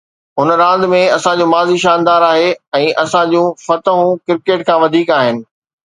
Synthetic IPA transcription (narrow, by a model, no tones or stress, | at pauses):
ɦʊnə̆ɾãːnd̪ɪmẽɐsãd͡ʑũːmaːziʃaːnd̪aːɾaːɦeɛ̃ːʔɐsãd͡ʑũfɐt̪əɦũkɪɾkeːʈ̚kʰãːʋɐd̪ʱiːkaːɦɪnɪ̆